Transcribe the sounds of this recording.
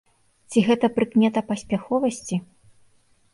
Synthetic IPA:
t͡sʲiɣɛt̪ɐpɾɨkmʲɛt̪ɐpɐsʲpʲaxɔvɐsʲt͡sʲi

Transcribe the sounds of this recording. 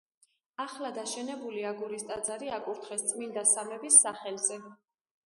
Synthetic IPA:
aχlad̪aʃɛnɛbuliaɡuɾist̪ʼad̪zaɾiakʼuɾt̪ʰχɛst̪sʼmind̪asamɛbisːaχɛlzɛ

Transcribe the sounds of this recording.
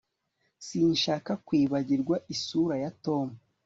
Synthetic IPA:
siːnʃakakwiːβaɟiɾɡwaʔisuɾajato̞mu

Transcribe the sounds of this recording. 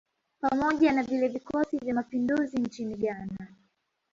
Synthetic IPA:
pamɔʄanavilɛvikɔsivjamapinduzint͡ʃiniɠana

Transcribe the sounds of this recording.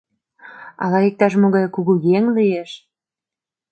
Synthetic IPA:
ɑ̰lɑik̚t̪ɑʃ̬moɣɑjkuɣujeŋlijeʃ

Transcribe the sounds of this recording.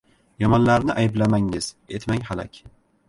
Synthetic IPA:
jɒmɒnlaɾnɪʔajɪblamaŋːɪz̥ | e̞t̪maŋʲhala̰kʲ

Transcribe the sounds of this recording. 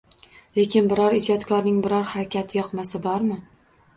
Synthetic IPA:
le̞kʲʰɪnbɪɾɒɾɪd͡ʒɒt̪kʰɒɾnɪŋbɪɾɒɾhaɾakʲʰat̪ʰɪjɒqmasɪbɒɾmɪ

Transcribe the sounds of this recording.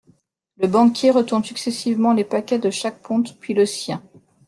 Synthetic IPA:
ləbɑ̃kʲjeʁət̪uʁnsyksesivmɑ̃lepakʲɛd̪əʃak̚pɔ̃t̪pɥiləsjɛ̃

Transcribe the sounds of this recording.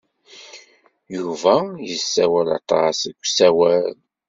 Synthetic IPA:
juvæjəsːæwælɑ̰t̪ˤɑsikʷːsæwæl

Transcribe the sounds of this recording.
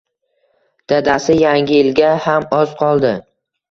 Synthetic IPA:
d̪̥ad̪asɪjaŋɡʲɪɪlɡʲahamɒz̥qʰɒlˠd̪ɪ

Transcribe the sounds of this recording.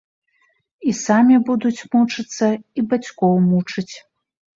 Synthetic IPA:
isamʲibud̪ut͡sʲmut͡ʂɨt̪sːɐibat͡sʲkɔwmut͡ʂɨt͡sʲ

